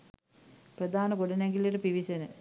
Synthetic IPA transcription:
prəd̪aːnəɡoɖənæŋɡileʈəpiʋisenə

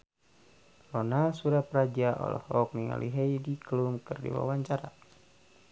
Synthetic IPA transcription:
lɔnasuɾapɾad͡ʒaʔɔ̰lɔ̰hɔk̚niŋa̰liɦeidikəlumkɨrdḭwa̰waɲt͡ʃaɾa̰

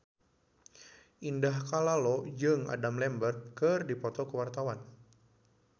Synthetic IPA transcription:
ʔindahkalalɔd͡ʒɨŋa̰damlɛmbərt̪̚kɨrdipɔt̪ɔkuwart̪awan

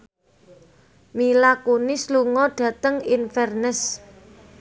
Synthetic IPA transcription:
milakunisluŋɔɖ̥ä̤t̪əŋinfɛrnəs

